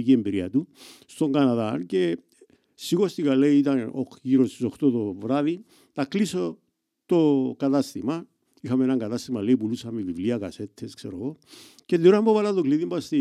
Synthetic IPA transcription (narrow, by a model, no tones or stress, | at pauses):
ciembiɾia̰t̪ust̪o̞ŋɡanaðance̞ | siɣo̞st̪iɣaleiit̪ɐno̰xciɾossoxt̪ot̪o̞vɾaði | t̪akliso̞ | t̪o̞kat̪ast̪ima | ixamenaŋɡat̪ast̪imale̞ipulusamevivliakase̞t̪ʰːeskseɾo̞̰ɣo̞ | ce̞lːiɾoambovalat̪okliðimbast̪i